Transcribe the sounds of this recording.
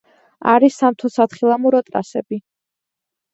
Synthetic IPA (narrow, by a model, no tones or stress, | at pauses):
aɾisːamt̪ʰɔsat̪χilˠamuɾɔt̪ʼɾa̰sɛbi